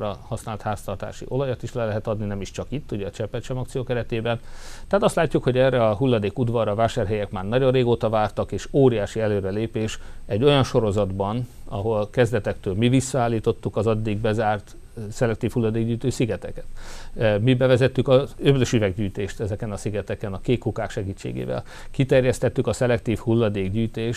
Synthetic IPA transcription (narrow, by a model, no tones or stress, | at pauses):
ɾɒhɒsnaːlt̪haːst̪ɒrt̪a̰ːʃḭʔo̞lɒjat̪iʃlɛlɛɦɛt̪ɒd̪ninɛmiʃt͡ʃɒkit̪ːuɟɛɒt͡ʃɛpːɛt̪ʃɛmɒkt̪sijoːkɛɾɛt̪eːbɛnt̪ɛat̪ɒst̪laːcːukho̞ɟɛːrɛɒɦulːɒd̪eːkud̪vɒrɾɒːvaːʃaːrɦɛjɛkmaːrnɒɟorreːɡoːt̪ɒvaːrt̪ɒkeːʃoːɾijaːʃiɛløːɾɛleːpeːʃɛɟːo̞jɒnʃo̞ɾo̞zɒd̪bɒnɒ̰ɦo̞lkɛzd̪ɛt̪ɛkt̪øːlmivisːɒaːlːiːt̪o̞t̪ːukɒzɒd̪ːiɡ̚bɛzaːrt̪ | sɛlɛk̚t̪iːfhulːɒd̪eːɡɟyːjt̪øːsiɡɛt̪ɛkɛ̥t̪mibɛvɛzɛt̪ːykɒøbløʃyvɛɡɟyːjt̪eːʃt̪ɛzɛkɛnɒsiɡɛt̪ɛkɛnɒkeːkhukaːkʃɛɡiːt͡ʃːḛːɡḛːvɛ̰l | kit̪ɛrjɛst̪ɛt̪ːykɒsɛlɛkt̪iːfhulːɒd̪eːɡɟyːjt̪eːʃ